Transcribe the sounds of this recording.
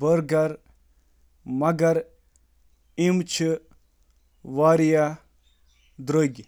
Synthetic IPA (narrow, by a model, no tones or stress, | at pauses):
bəɾɡɐɾ | mɐɡɐɾ | imt͡ʃʰi | ʋaːɾija | d̪ɾoɡʲ